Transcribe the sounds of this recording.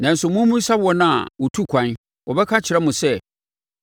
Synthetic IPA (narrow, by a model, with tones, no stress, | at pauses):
nã˨n̩˨sʊ˨mʊ̃˦mũ˦sa˦bwɔ˦nã̰˦˨wɔ˨tʰu˦kʷʰã˨n˦ | wɔ˨bɛ˦kʰã˦t͡ɕʰɪ˨ɾɛ˦mʊ̃˨sɛ˦